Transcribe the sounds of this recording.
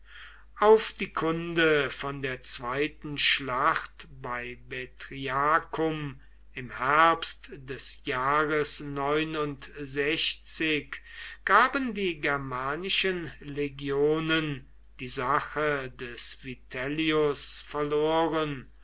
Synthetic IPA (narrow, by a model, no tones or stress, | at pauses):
ʔaʊfd̥iːkʰʊndəfɔndeːɐt͡sv̥aɪtn̩ʃlaχtbaɪbetʁiakʰʊm | ɪmhɛɐpstd̥ɛsjaːʁəsnɔʏnʊntzɛçt͡sɪkɡ̥aːbəndiːɡɛɐmaːnɪʃənleɡjoːnən | d̥iːzaχədɛsv̥itʰɛliʊsfɛɐloːʁən